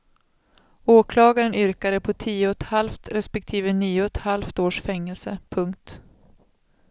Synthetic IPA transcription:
oːkʰlɑːɡaɾənʏɾkad̪əpʰɔt̪ʰiːʊɔt̪halft̪ɾɛspɛk̚t̪ʰiːvəniːʊɔt̪halft̪oːʂfɛŋːɛlsəpʰɵŋkt̪

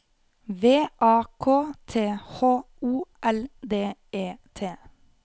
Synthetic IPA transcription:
ʋeːʔɑːkʰoːt̪ʰeːhoː | uːʔɛld̪eːeːt̪ʰeː

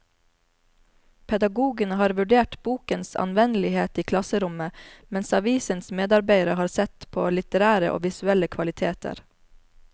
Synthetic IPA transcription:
pʰɛd̪ɑɡuːɡənəhɑːɾʋʉɖeːʈbuːkənsɑ̰nʋɛnlɪheːt̪iːkʰlɑsəɾʊməmɛnsɑʋiːsənsmeːd̪ɑɾbeɪɾəhɑːɾsɛt̪pʰo̰ːlɪt̪əɾæːɾəʔo̰ːʋɪsʉɛləkʰʋɑlɪt̪ʰeːt̪ʰə̰ɾ

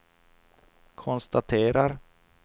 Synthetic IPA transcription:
kʰɔnst̪at̪ʰeːɾaɾ

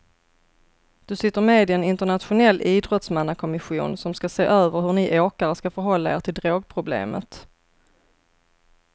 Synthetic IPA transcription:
d̪̥ɵsɪt̪ːəɾmeːd̪ɪɛnɪnt̪əɳat̪ɧʊnɛlːʔiːd̪ɾɔt̪smanːakʰɔmɪɧuːnsɔmskaseːʔøːvəɾhɵɳɪʔoːkaɾəskafœɾɦɔlːaḛːʈʰɪld̪ɾoːɡ̚pʰɾʊblḛːmə̰t̪

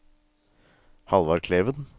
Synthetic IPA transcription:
hɑlʋɑɾkʰleːʋən

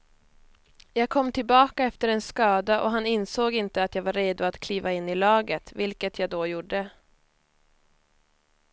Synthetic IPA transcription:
jɑːɡ̚kʰɔmːt̪ʰɪlbɑːkaɛft̪əɾɛnskɑːd̪aʔɔ̰ɦanɪnsoːɡɪnt̪əat̪jɑːɡvaɾeːd̪ʊat̪kʰliːvaɪnːɪlɑːɡət̪vɪlkət̪ʰjɑːɡd̪ɔjuɖə

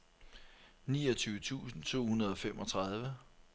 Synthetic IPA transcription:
niːɒt͡sʰyːʊət͡sʰṵːsn̩t͡sʰo̝̰ːhunɐð̞ˠɒ̽femɒ̽t͡sʰʁɑð̞ˠʋə

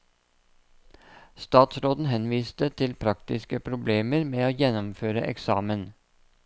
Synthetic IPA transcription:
st̪ɑːt̪sɾoːd̪n̩hɛnʋiːst̪ət̪ʰɪlpʰɾɑkt̪ɪskəpʰɾʊbleːməɾmeːoːjɛnɔmføːɾəʔɛ̰ksɑːmən

